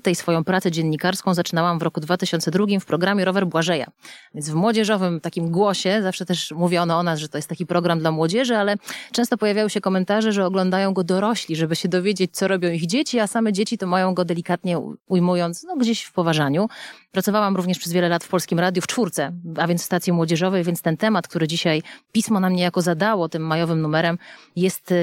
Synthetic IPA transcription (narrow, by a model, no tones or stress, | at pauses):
t̪ɛjsfɔjɔ̃w̃pɾat̪sɛd͡ʑɛnːikaɾskɔ̃w̃zat͡ʂɘnawamvɾɔkud̪vat̪ɘɕɔnt̪sɛd̪ɾuɡʲimfpɾɔɡɾamʲjɛɾɔvɛɾbwaʐɛja̰vʲjɛnzvmwɔd͡ʑɛʐɔvɘmt̪akʲimɡwɔɕɛzafʂɛt̪ɛʂmuvʲjɛɔnɔɔnasʐɛt̪ɔjɛst̪ːakʲipɾɔɡɾamd̪lamwɔd͡ʑɛʐɘalɛt͡ʂɛ̃w̃st̪ɔpɔjavʲjajɔ̃ɕɛkɔmɛnt̪aʐɛʐɛɔɡlɔnd̪ajɔ̃w̃ɡɔd̪ɔɾɔɕlʲiʐɛbɘɕɛd̪ɔvʲjed͡ʑet͡ɕ̚t̪sɔɾɔbʲjɔ̃w̃iɣd͡ʑet͡ɕiasamɛd͡ʑet͡ɕit̪ɔmajɔ̃w̃ɡɔd̪ɛlʲikat̪ɲɛujmujɔnt̪snɔɡd͡ʑeɕfpɔvaʐaɲupɾat̪sɔvawamɾuvɲɛʂpʂɛzvʲjɛlɛlat̪fpɔlskʲimɾad̪ʲjuft͡ʂfuɾt̪sɛavʲjɛnsfst̪at̪sʲjimwɔd͡ʑɛʐɔvɛjvʲjɛnst̪ɛnt̪ɛmat̪kt̪uɾɘd͡ʑiɕajpʲismɔnamɲɛjakɔzad̪awɔt̪ɘmːajɔvɘmnumɛɾɛmjɛst̪